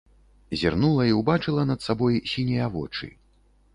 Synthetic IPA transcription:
zʲirnulˠɐiuwbat͡ʂɨlˠɐnɐt̪sabɔjsʲinʲɛjavɔt͡ʂɨ̰

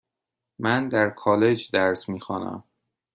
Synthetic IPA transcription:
mænd̪æɾkʰɒːle̞d͡ʒd̪æɾsmiːxɒːnæ̰m

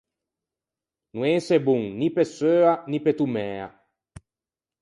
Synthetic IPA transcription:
nueːsebuŋnipesøːanipet̪umɛːa̰

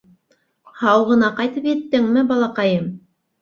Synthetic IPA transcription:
hɑwʁɤ̆nɑqɑjt̪ɤpjɘ̆t̪ːɘŋmɘbɑlˠɑqɑjɤm

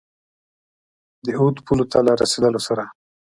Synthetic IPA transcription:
d̪əod̪pʰulot̪ʰalɑɾa̰sed̪əlosaɾa

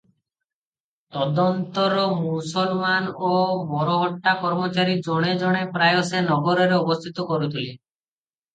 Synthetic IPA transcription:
t̪ɔd̪ɔnt̪ɔɾɔmusɔlmanobɔɾɔɦɔʈːakɔɾmɔt͡ʃaɾid͡ʒɔɽ̃ed͡ʒɔɽ̃epɾajɔsenɔɡɔɾɔɾeɔbɔst̪ʰit̪ɔkɔɾut̪ʰili

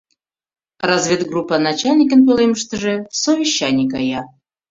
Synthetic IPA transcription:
rɑzvʲet̪ɡrupːɑnɑt͡ɕalʲnʲikənpolʲeməʃt̪əʒĕsovʲiɕːanʲikɑjɑ

